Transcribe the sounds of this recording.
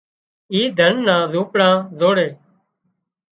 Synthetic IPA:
iːd̪ʱənːãːzũːpɽãːzoːɽeː

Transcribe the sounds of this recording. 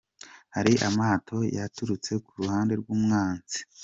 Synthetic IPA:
haɾiʔamaːtʰo̞jatuɾut͡se̞kuɾuhaːnde̞ɾɡuːmŋaːnzi̥

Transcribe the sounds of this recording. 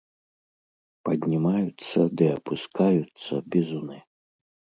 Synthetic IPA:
pɐd̪ʲnʲimajut̪sːɐd̪ɨɐpʰuskajut̪sːɐbʲɛzunɨ

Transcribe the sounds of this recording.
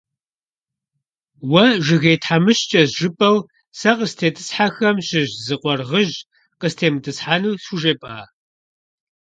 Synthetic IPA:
wɐʒɪɣeːtʰħamɨɕt͡ʃʼɐzʒɨpʼɐw | sɐqəstʰeːtʰʼɨ̥sħaxɐmɕɪʑzɨqʷɔrʁəʒ | qəstʰeːmɨtʼɨsħaːnuːsuʒeːpʼaː

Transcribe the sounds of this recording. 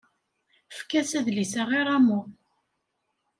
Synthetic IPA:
fkæsæðlisæʁiɾˤamu

